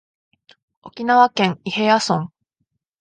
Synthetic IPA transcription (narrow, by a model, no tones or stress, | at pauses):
o̞kʲinaβakẽ̞ŋihejasõŋ